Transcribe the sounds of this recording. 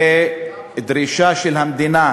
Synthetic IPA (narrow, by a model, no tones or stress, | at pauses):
e | d̪ɾiʃaʃelhamd̪ina